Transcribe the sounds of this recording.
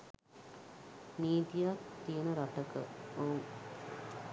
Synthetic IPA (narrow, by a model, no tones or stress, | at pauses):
niːt̪ijakt̪ijenəɾaʈəkə̰ouŋ